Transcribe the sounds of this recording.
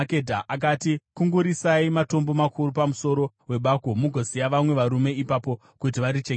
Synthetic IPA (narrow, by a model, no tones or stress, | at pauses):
kedʱaʔakatikuŋɡuɾisaimato̞mbo̞makʰuɾup̬amuso̞ɾo̞ | we̞ɓakomuɡʱosijaʋamwe̞ʋaɾume̞ipapo̞ | kutiʋaɾit͡ʃe